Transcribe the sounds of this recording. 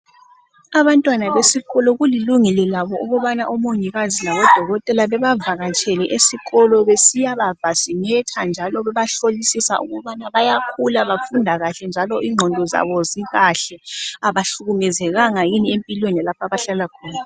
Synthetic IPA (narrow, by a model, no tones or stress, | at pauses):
aβantʼwanaβesiɣɔlɔɣuliluŋɛlɔlaβɔʔuɣɔβanaʔɔmoɲiɣazilaβɔd̥ʱɔɣɔtʼɛlaβɛβavaɣat͡ʃʰʼɛlɛʔesiɣɔlɔβesijaβavasimɛtʰand͡ʒʱalɔβɛβaɬolisisa̰ʔṵɣuβanaβajakʰulaβafundʱaɣaɬɛnd͡ʒʱalɔʔiŋ͡ǃʱɔndʱɔza̰βɔziɣaɬɛaβaɬuɣumɛzɛɣaŋajiniempʼilwenɛlapʰaβaɬalakʰɔːna